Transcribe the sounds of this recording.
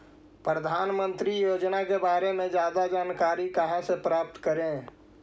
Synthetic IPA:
pɾəd̪ʱaːnmə̃nt̪ɾijoːd͡ʒnakebaːɾemẽd͡ʒjaːd̪ad͡ʒaːnkaːɾikəɦãsepɾaːp̚t̪kəɾẽ

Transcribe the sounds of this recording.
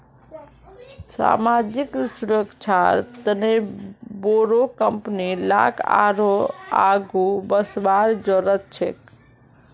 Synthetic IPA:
sa̰mad͡ʒiksuɾəkt͡ʃʰaɾt̪əneboɾokəmpnila̰kʰa̰ɾoa̰ɡubəsbaɾd͡ʒoɾət̪̚t͡ʃʰḛk

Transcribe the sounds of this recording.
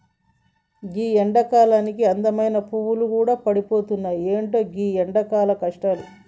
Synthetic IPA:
ɡiːɛɳɖɐkaːlaːnikiɐnd̪ɐmɐjnɐpuʋulukuːɽaːpɐɽipo̞ːt̪unːaːjieːɳʈo̞ːɡiːɛɳɖɐkaːlɐkɐʂʈalu

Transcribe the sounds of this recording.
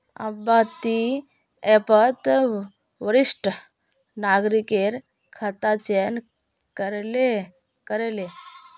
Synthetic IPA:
ə̰bat̪i | epət̪ | ʋəɾiʂʈə | naɡɾikeɾ | kʰət̪at͡ʃen | kəɾle | kəɾele

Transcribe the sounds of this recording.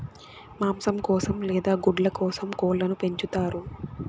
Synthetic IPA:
maːmsɐmkɔːsɐmlɛːd̪aːɡuɖlɐkɔːsɐmkɔːɭlːɐnupe̞ɲt͡ʃut̪aːɾu

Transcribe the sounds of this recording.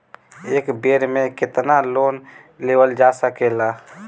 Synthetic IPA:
eːkbeːɾmẽkɪt̪naloːn | leːwəld͡ʒaːsəkelaː

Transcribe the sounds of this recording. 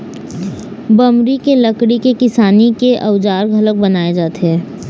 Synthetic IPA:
bɐmɾikeləkɽikekɪsaːnikeʔɐʋd͡ʒaːɾɡʱələk̚bənaːed͡ʒaːt̪ɦɛː

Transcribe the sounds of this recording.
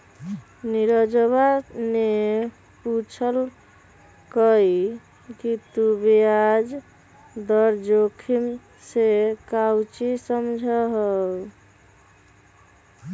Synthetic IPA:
niɾəd͡ʒβane | put͡ʃʰəl | kəj | kit̪ubijad͡ʒ | d̪əɾd͡ʒokʰim | sekawt͡ʃisəmd͡ʒʱəɦə

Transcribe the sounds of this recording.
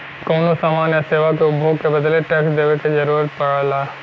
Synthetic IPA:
koːnosaːmaːnjəseːʋakeʊbbʱoːɡ̚kebɐd̪leʈeːksd̪eːʋeked͡ʒɐɾuːɾət̪̚pɐɽəla

